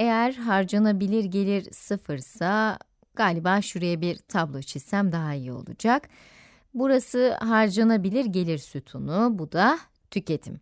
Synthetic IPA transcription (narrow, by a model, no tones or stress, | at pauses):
e̞jæɾɦaɾd͡ʒanabilʲiɾɟe̞lʲiɾsɯfɯɾsa | ɡ̥aːlʲibaːʃuɾejɛbiɾt̪ʰablˠo̞t͡ʃʰist̪æmd̪aɦaijio̞̰lˠṵd͡ʒak | buɾasɯɦaɾd͡ʒanabilʲiɾɟe̞lʲiɾsut̪ʰunubud̪a | t̪ʰycʰe̞t̪ʰḭm